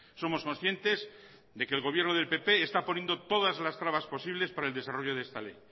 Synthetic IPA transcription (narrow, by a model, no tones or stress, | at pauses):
so̞mo̞sko̞nsθje̞nt̪e̞z | d̪e̞keːlɣo̞β̞jeɾnoð̞e̞lpe̞pe̞ːst̪apo̞njend̪ot̪o̞ðazlast̪ɾaβaspo̞siβle̞spaɾaeld̪e̞saro̞ʝo̞ðest̪ale̞̰j